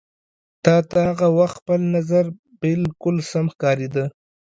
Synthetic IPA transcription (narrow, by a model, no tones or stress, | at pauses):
t̪ɑt̪aaɣawaxt̪pəlnazaɾ | bɪlkʊlsamxkɑɾed̪ə